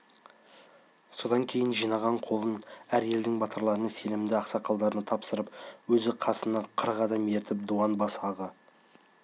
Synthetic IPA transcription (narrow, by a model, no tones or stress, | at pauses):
so̞d̪ɑŋkʲʰe̞jɪnʒijnɑʁɑɴqʰo̞lˠənæɾje̞ld̪ɪŋbɑt̪əɾlˠɑɾənɑse̞nɪmnd̪ɪɑqsɑqʰɑlˠd̪ɑɾənɑt̪ʰɑpsəɾəpwɵzɪqʰɑsənɑqʰəɾəʁɑd̪ɑme̞ɾt̪ɪp̚d̪uwɑnbɑsɑʁə